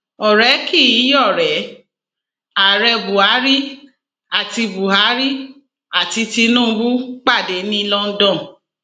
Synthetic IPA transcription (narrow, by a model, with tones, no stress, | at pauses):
ɔ˨ɾɛ˨˦ki˦˨ji˨˦jɔ˦˨ɾɛ˨˦ | a˨ɾɛ˧bu˨a˨˦ɾi˦ | a˨ti˧bu˨ɦa˨˦ɾi˦ | a˨ti˧ti˧nũ˦˨˧bu˦k͡pa˦˨de˨˦nĩ˦˧lɔ̃˦n̩˦dɔ̃˦˨